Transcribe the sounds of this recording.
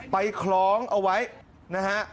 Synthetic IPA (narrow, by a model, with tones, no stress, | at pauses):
pa˧jkʰlɔː˨˦ŋʔa˧wa˦˥j | naː˧ha˦˥ʔ